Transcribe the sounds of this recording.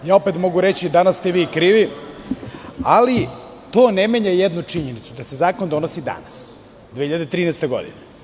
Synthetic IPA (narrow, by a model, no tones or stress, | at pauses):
jaːope̞t̪mo̞ɡuɾet͡ɕid̪anassːt̪eʋiːkɾiːʋi | ali | t̪o̞ːnemeɲajed̪nut͡ʂiɲenit̪sud̪asezaːkond̪o̞nosid̪a̰nas | d̪ʋehiʎad̪et̪ɾiːnest̪eɡo̞̰d̪ḭne